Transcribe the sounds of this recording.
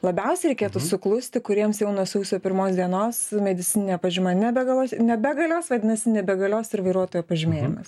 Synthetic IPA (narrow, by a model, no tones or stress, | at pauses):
lˠɐbʲɛʊsʲɛɪɾʲɛɪkʲeːt̪ʊsʊklˠʊsʲt̪ʲɪkʊɾʲiɛmsjɛʊnuɔsuːsʲoːpʲɪɾmoːsd̪ʲiɛnoːsmʲɛd̪ʲɪt͡sʲɪnʲɪnʲɛːpɐʒʲɪmɐnʲɛbʲɛɡɐlˠoːsnʲɛbʲɛɡɐlʲoːsʋɐd̪ʲɪnɐsʲɪnʲɛbʲɛɡɐlʲoːsɪɾʋɐɪɾuɔt̪oːjoːpɐʒʲɪmʲeːjɪmɐs